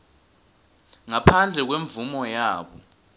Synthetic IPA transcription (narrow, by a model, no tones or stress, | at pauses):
ŋapʰand͡ɮʱɛk̬weɱvumɔjaːɓɔ